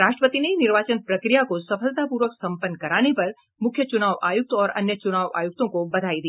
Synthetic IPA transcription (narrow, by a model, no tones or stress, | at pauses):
ɾaːʃʈɾəpət̪ineinɪɾʋaːt͡ʃənpɾɐkɾijakosɐfʰəlt̪apuːɾʋəksɐ̃mpənːkɐɾaːnepɐɾ | mʊkʰjət͡ʃʊnaːʋʔa̰ːjʊk̚t̪ɔːɾɐ̰njət͡ʃʊnaːʋa̰ːjʊk̚t̪õkobɐd̪ʱaːid̪iː